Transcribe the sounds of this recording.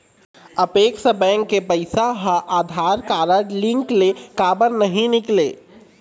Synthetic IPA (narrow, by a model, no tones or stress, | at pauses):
əpeːksəbɛ̃ːŋkːepəɪsaɦaʔaːd̪ʱaːɾkaːɾəɾlɪ̃ŋklekaːbəɾnɐɦĩnɪkleː